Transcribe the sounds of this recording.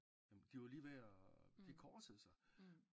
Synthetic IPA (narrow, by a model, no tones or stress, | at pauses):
jæmnd̥iʋɑliːʋæɐd̥ikʰɒ̥ːsəð̩ˠsɑ̈